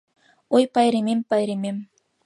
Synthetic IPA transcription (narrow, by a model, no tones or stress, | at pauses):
ojpɑjɾemempɑjɾemʲem